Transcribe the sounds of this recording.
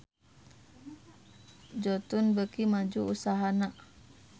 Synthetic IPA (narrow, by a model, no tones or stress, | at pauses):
d͡ʒɔt̪unbəkimad͡ʒuusaɦanaʔ